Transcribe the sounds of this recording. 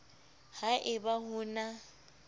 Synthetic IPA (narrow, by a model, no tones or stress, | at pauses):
haʔɪbahʊːna